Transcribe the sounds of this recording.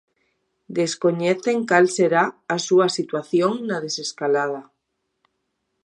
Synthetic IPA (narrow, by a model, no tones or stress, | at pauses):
d̪e̞sko̞ɲeθeŋkalseɾaːsuasit̪waθjoŋnað̞e̞seskalað̞a